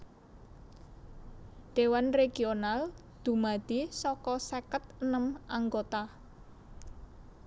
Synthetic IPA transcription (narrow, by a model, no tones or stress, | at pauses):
ɖ̪̥e̤wanreɡ̥ional | d̪̥ṳmad̪̥isɔkɔsekət̪̚ənəmaŋɡot̪a